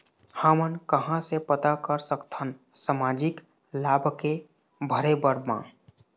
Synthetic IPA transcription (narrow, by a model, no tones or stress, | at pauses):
hamənkəɦãsepət̪akəɾsəkt̪ʰən | səmaːd͡ʒik | laːbʱke | bʱəɾebəɾmã̰